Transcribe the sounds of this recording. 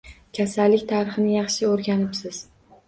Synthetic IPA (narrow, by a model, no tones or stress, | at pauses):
kʲʰasalːɪkʲt̪ʰaɾɨχɨnɪjɑχʃɪoɾɡʲanɪpsɪz̥